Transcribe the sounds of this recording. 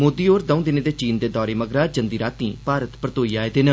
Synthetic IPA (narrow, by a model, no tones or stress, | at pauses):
moːd̪iːoːɾd̪əũːd̪ɪneːd̪eːt͡ʃiːnd̪eːd̪ɔːɾeːməɡɾaːd͡ʒənd̪iːɾaːt̪ĩːpaːɾət̪pɾət̪oːiːaːed̪enə